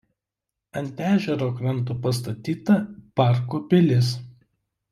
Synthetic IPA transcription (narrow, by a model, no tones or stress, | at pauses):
ɐnʲt̪ʲæːʒʲɛɾoːkɾɐnˑt̪upɐst̪ɐt̪ʲiːt̪ɐpɑˑɾkuːpʲɪlʲɪs